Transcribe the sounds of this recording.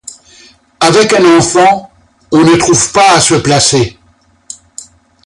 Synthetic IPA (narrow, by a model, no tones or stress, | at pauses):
avɛkɛ̃nɑ̃fɑ̃ | ɔ̃nət̪χuvpaːsəplase